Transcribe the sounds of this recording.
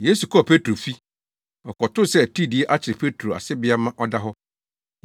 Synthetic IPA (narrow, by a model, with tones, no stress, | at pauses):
je˦su˨kʰɔ˦a˨pʰe˦tʰɾo˨fi˦ | ɔ˨kʰɔ˨tʊ̃˦sɛ˦æ˨tʰi˦˨dɪ˨e˦ʔa˦t͡ɕʰɪ˨ɾɪ˨pʰe˦tʰɾo˨a̰˨sɪ˦bɪ˦a˦mã˦ʔɔ˦da˦ɦɔ˦